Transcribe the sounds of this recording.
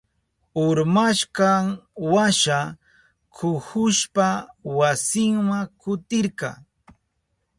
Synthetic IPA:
ʊɾmaʃkɑŋwaʃa | kʰʊhʊʃpawasɪŋmaŋkʊt̪ɪɾkɑ̰

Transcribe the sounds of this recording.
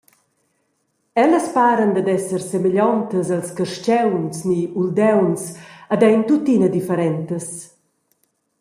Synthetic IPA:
ɛləspaːɾənd̪əd̪ɛsəɾsemeʎɔnt̪əzalskəɾʃt͡ʃɛwnsniuld̪ɛwnsad̪ɛjnt̪ut̪ːinəd̪ifɛɾɛnt̪əs

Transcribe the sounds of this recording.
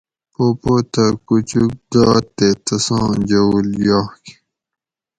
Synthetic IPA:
opot̪akut͡ɕuk̚d̪aːt̪ːet̪ɐsɑ̃ːd͡ʑɐuljaːhki̥

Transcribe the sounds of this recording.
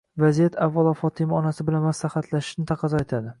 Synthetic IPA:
vazijat̪ʰavːalˠɒfɒt̪ʰɪmɪɒnasɪbɪlanmaslahat̪ʰlaʃɪ̥ʃnɪt̪ʰɑqʰɑzɒet̪ʰad̪ɪ

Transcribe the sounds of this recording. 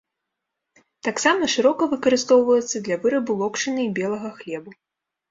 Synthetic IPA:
t̪aksamɐʂɨɾɔkɐvɨkɐɾɨst̪ɔwvɐjɛt̪sːɐd̪lʲɐvɨɾɐbulˠɔkʂɨnɨbʲɛlˠɐɣɐxlʲɛbu

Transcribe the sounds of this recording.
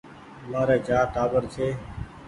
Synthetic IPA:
maːɾeːt͡ʃaːʈaːbəɾt͡ʃʰeː

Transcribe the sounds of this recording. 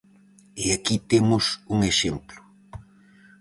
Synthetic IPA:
ɪakit̪emʊsuŋeʃemplʊ

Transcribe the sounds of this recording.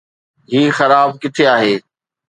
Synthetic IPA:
ɦiːxɐɾaːb̚kɪʈ̪ʰeaːɦeː

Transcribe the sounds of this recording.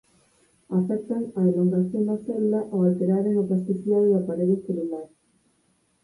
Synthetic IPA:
afɛk̚t̪aŋɐeluŋɡɾaθjond̪aselulaʔoalt̪eɾaɾeŋaplast̪esjaðeðapaɾeðoθelulaɾ

